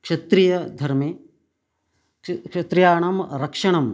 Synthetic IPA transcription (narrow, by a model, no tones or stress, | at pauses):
kʂɐt̪ɾijɐd̪ʱɐɾme | kʃɐt̪ɾjaːɳɐmɾɐkʂɐɳɐm